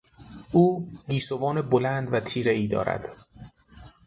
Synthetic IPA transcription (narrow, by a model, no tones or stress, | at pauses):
uːɡiːsovɒːnebolænd̪væt̪ʰiːɾeiːd̪ɒ̰ːɾæ̰d̪̥